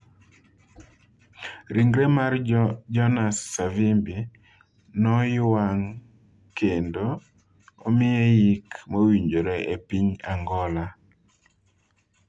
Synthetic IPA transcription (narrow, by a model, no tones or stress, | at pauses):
ɾiŋɡɾemard͡ʒɔnasːavimbi | nɔjwaŋ | kendo | omɪejikmowiɲd͡ʒoɾeʔepiɲaŋɡɔla